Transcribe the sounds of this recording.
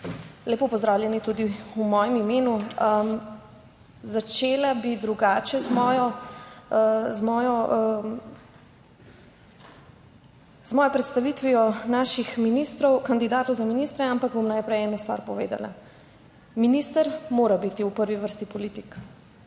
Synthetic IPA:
leːpɔpɔzd̪ɾaːwljɛnit̪ud̪iumɔːjɛmimeːnuəm | zat͡ʃeːlabid̪ɾuɡaːt͡ʃɛzmɔjɔ | zmɔjɔ | zmɔːjɛpɾɛt̪st̪aʋit̪ʋiɔnaːʃixminist̪ɾɔwkand̪id̪aːt̪ɔwzaminist̪ɾɛampaɡ̚bomnajpɾɛjɛːnost̪ʋa̰ːɾpɔʋḛːd̪a̰la̰ | minist̪əɾmoːɾabit̪iupəɾʋiʋəɾst̪ipɔliːt̪ik

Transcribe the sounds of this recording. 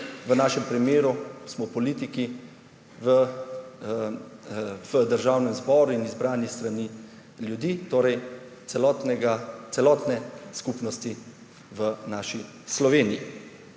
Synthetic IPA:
ʋənaːʃɛmpɾimeːɾusmɔpɔliːt̪iki | ə | vəd̪əɾʒaːwnɛmzbɔːɾuinizbɾaːnist̪ɾani | ljud̪iːt̪oːɾɛj | ɛɔt̪nɛɡat̪sɛlɔːt̪nɛskupnɔst̪i | ʋənaːʃi | slɔʋeːniji

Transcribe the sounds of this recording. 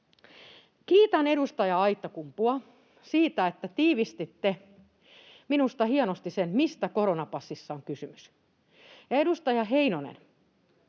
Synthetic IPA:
kiːt̪æneɾust̪ɑjɑɑit̪ːɑkumpuɑ | siːt̪æet̪ːæt̪iːʋist̪it̪ːe | minust̪ɑhiɑnost̪isenmist̪ækoɾonɑpɑsːisːɑoŋkysymys | jɑedust̪ɑjɑɦeinonḛn

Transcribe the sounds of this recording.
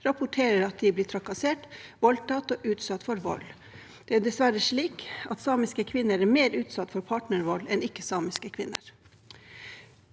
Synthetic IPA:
ɾɑpʊʈʰeːɾəɾɑt̪̚d̪ɪblɪːʈ̪ʰɾɑkɑseːʈʋɔlt̪ɑt̪oːʔʉːt̪sɑt̪ːfɔɾʋɔ̰l | d̪̥ɛæɖɛsʋæɾəʂɭiːkɑt̪sɑːmɪskəkʰʋɪnːəɾæmeːɾʉːt̪sɑt̪ːfɔɾpʰɑːʈɳəɾʋɔlɛnɪkːəsɑːmɪskəkʰʋɪnːə̰ɾ

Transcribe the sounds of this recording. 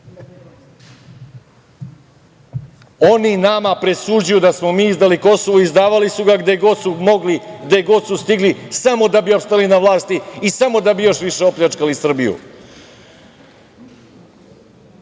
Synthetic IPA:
oninamapɾe̞suːd͡ʑujud̪asmo̞miːizd̪aliko̞soʋoizd̪aːʋalisuɡaɡd̪eɡoumoɡliɡd̪eɡo̞d̪sust̪iɡlisamo̞d̪abiopst̪alinaʋlˠaːst̪iisamo̞d̪abijo̞ːʃʋiʃe̞opʎʲat͡ʂkalisr̩bijṵ

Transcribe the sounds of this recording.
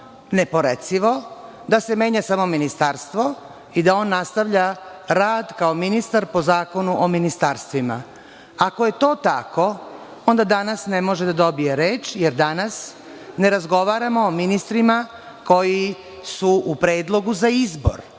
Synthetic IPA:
ne̞po̞ɾet̪siʋo̞ | d̪ase̞me̞ːɲasamo̞minist̪aɾst̪ʋo̞ | id̪ao̞ːnːast̪aʋʎaɾaːd̪kaominist̪aɾpo̞zaːko̞nuʔominist̪aɾst̪ʋima̰ | akoje̞t̪o̞ːt̪ako̞ | o̞nd̪ad̪anasne̞mo̞ʒed̪ad̪o̞bije̞ɾeːt͡ʃjeɾd̪anas | ne̞ɾazɡo̞ʋaːɾamo̞ːminist̪ɾima | ko̞ji | suupɾeːd̪lˠo̞ɡuzaizbo̰ɾ

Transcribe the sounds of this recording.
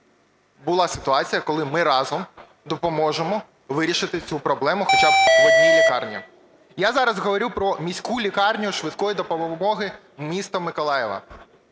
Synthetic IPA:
bʊlˠɑsɪt̪ʊɑt͡sʲijɐkɔlˠɪmɪɾɑzɔm | d̪ɔpɔmɔʒemɔ | ʋɪɾʲiʃɪt̪ɪt͡sʲupɾɔblˠɛmʊxɔt͡ʃɑbɔilʲikɑrnʲɐ | jazɑɾɐzɦɔʋɔɾʲuwpɾɔmʲisʲkulʲikɑrnʲʊʃʋɪt̪kɔjid̪ɔpɔmɔɦɪ | mʲist̪ɔmɪkɔlˠɑjɛʋɐ̰

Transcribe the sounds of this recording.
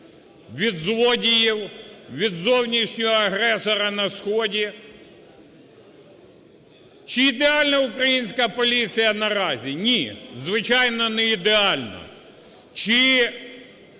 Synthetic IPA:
ʋʲid̪zlˠɔdʲijiwʋʲid̪zɔwnʲiʃnʲɔɦɔɐɦɾɛsɔɾɐnɐsxɔdʲi | t͡ʃiːd̪eɑlʲnɐʊkɾɐjinʲsʲkɐpɔlʲit͡sʲijɐnɐɾɑzʲinʲizʋɪt͡ʃɑjnɔnɛid̪eɑlʲnɐ̰ | t͡ʃɪ

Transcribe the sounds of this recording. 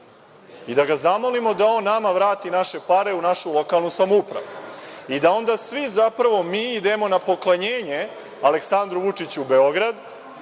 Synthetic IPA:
id̪aɡazamo̞limo̞d̪ao̞ːnːamaʋɾaːt̪inaʃepaɾe̞unaʃulˠo̞kalˠnusamupɾa̰ʋuid̪ao̞nd̪aːsʋizapɾaʋo̞miːid̪e̞mo̞napo̞klˠaɲeːɲe̞ | ale̞ksand̪ɾuʋut͡ʂit͡ɕube̞o̞ɡɾad̪

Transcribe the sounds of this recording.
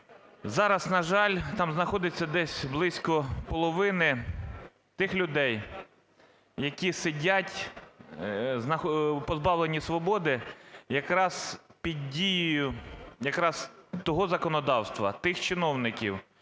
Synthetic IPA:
zɑɾɐsnɐʒɑlʲt̪ɑmznɐxɔd̪ɪt͡sʲːɐd̪ɛsʲblˠɪsʲkɔpɔlˠɔʋɪnɪ | t̪ɪxlʲʊd̪ɛj | jɐkʲisɪdʲatʲ | znɐxpɔzbɑwlˠenʲisʋɔbɔd̪ɪjɐkɾɑzpʲid̪ʲdʲijijʊjɐkɾɑzt̪ɔɦɔzɐkɔnɔd̪ɑwst̪ʋɐ̰t̪ɪxt͡ʃɪnɔwnɪkʲiw

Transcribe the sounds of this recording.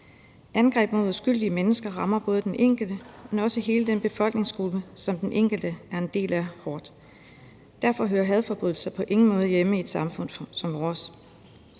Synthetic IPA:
ʔænɡ̥ʁɛ̰ːb̥mo̝ð̰ˠusɡ̥yl̰d̥iəmenəsɡ̥ɐʁɑ̈mɐb̥ɔ̽ːð̞ˠəd̥enʔeŋ̰ɡ̥l̩d̥əmenɒ̽səhe̝ːləd̥enb̥e̝fɒ̽l̰ɡ̥ne̝ŋsɡ̥ʁub̥əsɒ̽md̥enʔeŋ̰ɡ̥l̩d̥əæɐe̝nd̥e̝̰ːlæɐhɒːd̥ | d̥æɐ̰fɒ̽ɦøːɐɦɛð̞ˠfɒ̽b̥ʁyð̰ˠl̩sɐpʰɒ̽ʔe̝ŋn̩mɔ̽ːð̞̩ˠjeməied̥sɑ̈mfɔ̽n̰sɒ̽mʋɒːs

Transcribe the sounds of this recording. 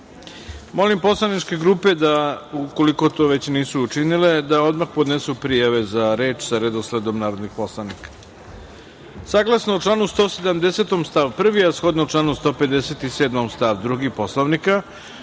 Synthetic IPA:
mo̞limpo̞slˠaniʈ͡ʂke̞ɡɾuːpe̞d̪auko̞liko̞t̪oʋe̞t͡ɕniːsuːt͡ʂinile̞d̪ao̞d̪maxpod̪nesupɾijaʋe̞zaɾeːt͡ʃsaɾed̪osled̪o̞mnaːɾod̪nixpo̞slˠanikḁ | saːɡlˠasnouʈ͡ʂlˠaːnust̪o̞ːsed̪amd̪ese̞t̪omst̪aʋpr̩ʋiasxo̞d̪noʈ͡ʂlˠaːnust̪oːpe̞d̪eset̪iseːd̪momst̪aʋd̪ɾuɡipo̞slˠoʋnika

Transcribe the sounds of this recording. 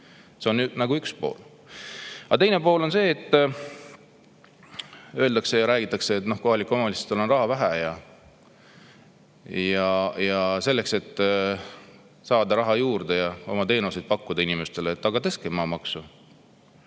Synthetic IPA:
se̞o̞nynɑɡ̥uykspo̞̰ːl | ɑt̪e̞jnepo̞ːlo̞nse̞ːt̪ː | ø̞ːld̪ɑkse̞jɑɾæːɡ̥it̪ːˑɑkse̞ːt̪no̞hko̞ɦɑlikːˑo̞mɑlise̥t̪ːolo̞nrɑɦɑvæɦæjɑ | jɑjɑse̞lːe̞kse̞t̪ː | sɑːd̪ɑɾɑɦɑjuːrd̪̥e̞jɑo̞̰mɑt̪e̞ːnuse̞d̪̚pɑkːud̪̥ɑinime̞st̪e̞leːt̪ːɑkɑt̪eskemɑːmɑksu

